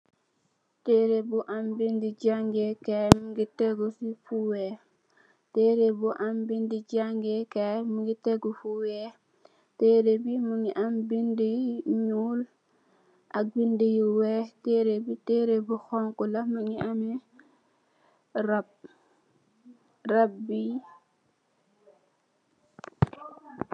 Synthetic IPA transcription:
tɛɾebuʔambindid͡ʒaŋɡɛkɛmuŋɡitɛɡɔsifuwɛ | tɛɾebuʔambindid͡ʒaŋɡɛkɛmiŋɡitɛɡɔfuwɛ | tɛɾebimuɲiʔambindiɲuːl | ʔabindijiwɛtɛɾebitɛɾebuxɔŋkulamuɲiamɛ | ɾab̚ | rabːi

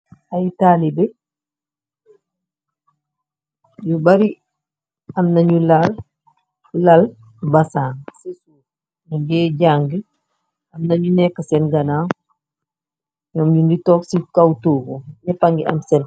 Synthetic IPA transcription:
ajitalibɛ | jubaɾi | ɐmnɐɲulal | ulal | bɐsaːŋ | nuɡɛɟaŋɡi | ɐmnɐɲunɛkːɐsɛnɡɐnaŋ | ɲɔːmɲuŋɡitɔksikawtoːɡoɲɛpaŋɡiʔɐ̰msɛn

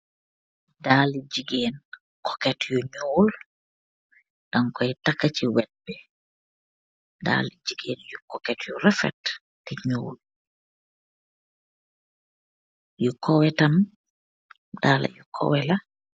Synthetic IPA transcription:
daːlid͡ʒiɡeːn | kɔkɛtjuɲuːl | d̥aŋkɔjtakːat͡ʃiwɛt̚bɛ | da̰lid͡ʒiɡeːnjukɔkɛtjurɛfɛ̰tː | iɲuːl | jukʰɔwɛtɐm | d̥aːla̰jukʰɔ̰wɛla

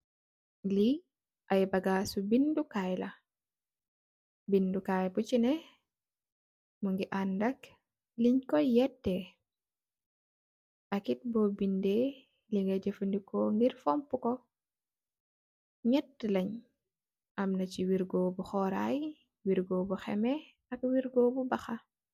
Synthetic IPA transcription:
li | ʔajbaɡasubindukajla | bindukajbut͡ʃinɛ | muŋɡiʔandak | liɲkɔjɛtːɛ | ʔɐkit̚bɔbinde | liŋɡɐɟefundikɔŋɡiɾfɔmpukɔ | ɲɛtːlɐɲ | ʔɐmnɐciwiɾɡobuxɔɾa̰j | wiɾɡobuxɛ̰mɛ | ɐk̚wiɾɡobubɐxa

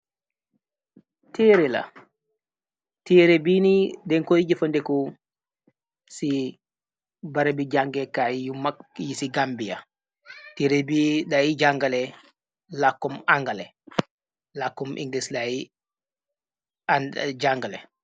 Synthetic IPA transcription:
tɛːɾɛla̰ | tɛːɾebinidɛnkoid͡ʒɛfɔndɛkɔ | si | baɾabid͡ʒaŋɡɛkaijumajisiɡambija̰ | tɛɾebiɗaid͡ʒaŋɡalɛ | lakːɔmaŋɡalɛ | lakːɔmʔḭŋɡlislai | d͡ʒaŋɡalɛ̰

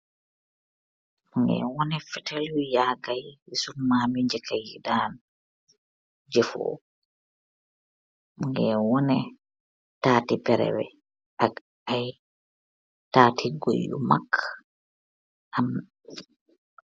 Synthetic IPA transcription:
muŋɡɛ̰wɔnɛfɛtʰalujaːɡajwisunmaːmiɲd͡ʒɛkʰajidaːn | d͡ʒɛfɔ̰ | muŋɡɛwɔnɛ | taːtɛpɛɾɛ̰wɛ̰ | a | aj | taːtʰiɡo̰jːṵma̰kʰː | ʔam

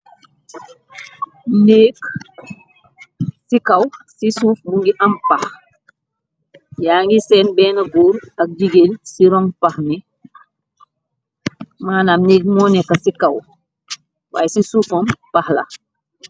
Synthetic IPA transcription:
neːk | sikɐwsisuːfmuŋɡiʔɐmpɐx | jaːŋɡisɛːnbɛːnɐɡuːɾɐk̚d͡ʒiɡeːlsiɾɔŋpɐxni | maːnamneːk̚mɔːnɛkːɐsikɐw | wa̰ːjsisuːfɔmpaxlɐ̰

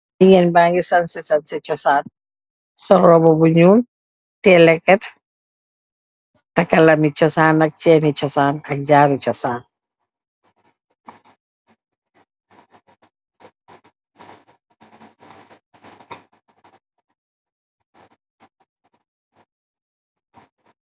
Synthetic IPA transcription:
iŋɛnbaŋɡisansesanset͡ʃɔsaːn | sɔɾɾɔbɔbuɲuːn | tɛlɛkːɛt | takalamit͡ʃɔsaːnak̚t͡ʃɛːnit͡ʃɔsaːnɐk̚ɟaːɾut͡ʃɔsaːn

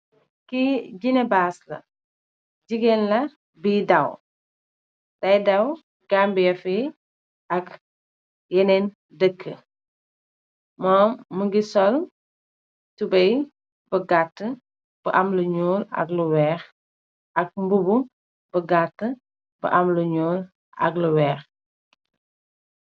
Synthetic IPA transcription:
kiɟinɛbaːslɐ̰ | d͡ʒiɡɛnlɐ | biːdɐw | tɐjdɐw | ɡambijɐfi | ʔɐk | jɛnɛn | dəkʰːə̰ | mɔːmːəɡisɔl | tubɐj | bəɡatːə | b̥əʔɐmluɲuːlɐ̰kluwɛːx | ʔɐk̚mbubu | bəɡatːə | bə̰ʔɐmluɲuːl | ʔɐ̰kluwɛːx

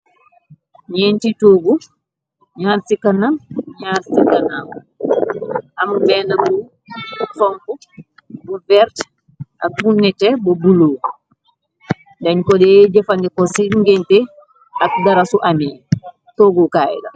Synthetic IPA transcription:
ɲentitoɡu | ɲansikananɲaɾsikanam | ʔamubɛnabu | fɔmfu | bubɛɾt | ʔabunːɛtɛbɔbuloːɡu | ndɛɲkɔdɛd͡ʒɛfandɛkɔsiŋɡɛntɛ | akɡaɾasuʔamin | toɡukaːjḭda̰

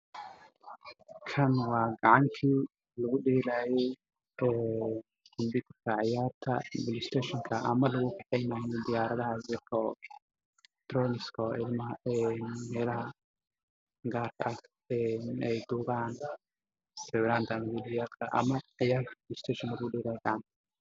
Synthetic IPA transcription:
kʰɐnwɑːɡɑʕɑŋkʰiː | lɐɣʊɖɛːlaːjɛj | ɛ̥ː | ʊmb̪ɪkɪrkʰɐʕɑjaːrt̪ʰɐbɪlɪst̪ʰɛʃɔŋkʰɐʔɐ̰mɐlɐɣʊkʰɑħɛjnaːjɔd̪ɪjaːɾɐðɐɦɐsɪrkʰɔ | t̪ɾɔːnɪskʰɔɪ̰lmɐɦɐɛnmɛːlɐɦɐ | ɡaːrkʰɐʔɐ | ɛnɛjd̪uːβaːn | ɾɛβlaːnt̪ʰɐːmɐbɪdɪjaːt̪k̪ʰɐʔɐ̰mɐʕɑjaːrt̪ʰɐbɪlɪst̪ʰɛːʃɔŋkɐlɐɣʊɖɛːlaːjɛɡɑʕɑnt̪ʰɐ̥

